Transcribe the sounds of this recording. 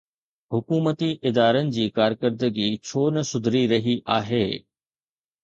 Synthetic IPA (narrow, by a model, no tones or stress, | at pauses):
hʊkuːmət̪iʔɪd̪aːɾənɪ̆d͡ʑiːkaːɾkəɾd̪əɡit͡ɕʰoːnɐsʊd̪ʱɾiɾɐɦiʔaːɦeː